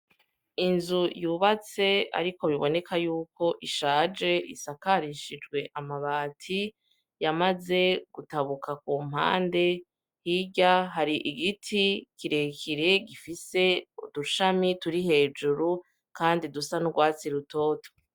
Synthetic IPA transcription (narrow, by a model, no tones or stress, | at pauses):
inzujuːβat͡se̞a̰ɾiko̞βiβo̞ne̞kʰajuːko̞ʔiʃaːd͡ʒe̞ʔisakaɾiʃid͡ʒɡwe̞ʔamaβaːtʰi | jamaze̞ɡ̥utaβukak̚uːm̥ha̰ːnde̞ | hiɟaɦaɾiʔiɡitʰikiɾe̞kiɾe̞ɡifise̞uduʃamituɾiɦe̞ːd͡ʒuɾu | kaːndidusanuɡwaːt͡siɾuto̞ːto̥